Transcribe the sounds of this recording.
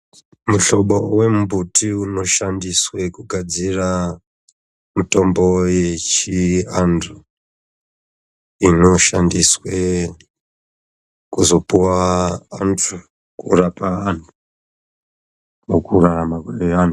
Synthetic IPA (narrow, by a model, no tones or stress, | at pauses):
muɬo̞ɓowe̞mbutiuno̞ʃandiswekuɡʱad͡zira | mito̞mbo̞je̞t͡ʃiantʰu | ino̞ʃandiswe | kuzo̞puwaantʰu | kurapaːntʰu̥ | nokuɾaɾamakeanu